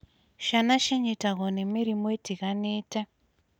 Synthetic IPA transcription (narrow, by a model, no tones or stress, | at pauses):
ʃanaʃeɲetaɣonemiɾimoitʰikaneːta